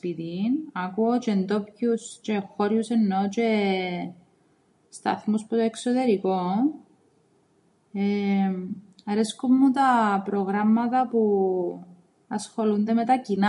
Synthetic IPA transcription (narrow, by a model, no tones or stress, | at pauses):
pit̪inɐkuot͡ʃend̪o̞pçust͡ʃe̞xoɾjusenːot͡ʃe | st̪ɐ̰θmusput̪oeksot̪e̞ɾikon | e | ɐɾeskumːut̪ɐpɾoɣɾɐmːɐt̪ɐpu | ɐsxo̞lund̪eme̞t̪ɐcin